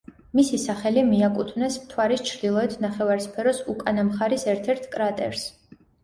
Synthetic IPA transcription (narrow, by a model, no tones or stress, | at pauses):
misisaχɛlimiakʼut̪ʰvnɛsmt̪ʰwaɾist͡ʃʰɾd̪ilˠɔɛt̪ʰnaχɛvaɾspʰɛɾɔsukʼanamχaɾisɛɾt̪ʰɛɾt̪ʰkʼɾat̪ʼɛ̰ɾs